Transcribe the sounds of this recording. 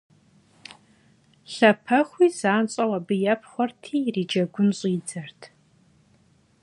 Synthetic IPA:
ɬɐpʰɐχʷiːzaːnɕʼɐwɐbɨjɛpʰχʷɔrtʰiːriːd͡ʒɐɡʷʊnɕʼiːd͡zɐrtʰ

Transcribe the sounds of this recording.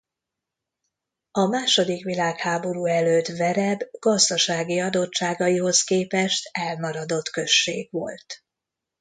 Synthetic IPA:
ɒmaːʃo̞d̪ikʋilaːkhaːbo̞ɾuːɛløːt̪ʋɛɾɛbɡ̥ɒzd̪ɒʃaːɡiɒd̪o̞t͡ʃt͡ʃːaːɡɒjiɦo̞skeːpɛʃt̪ɛlmɒɾɒd̪o̞t̪kø̞ʃːḛːɡʋo̞̰lt̪

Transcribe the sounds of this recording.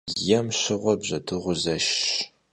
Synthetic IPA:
jɐmɕɨʁʷɔbʑɐtʰɨʁʷʊzɐʃ

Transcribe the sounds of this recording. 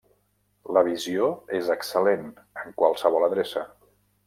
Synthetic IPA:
ləβ̞izioezəksəlen | əŋkwalˠsəβɔləðɾesə

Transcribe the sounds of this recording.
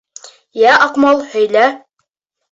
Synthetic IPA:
jæʔɑqmɑlˠhɵ̆jlæ

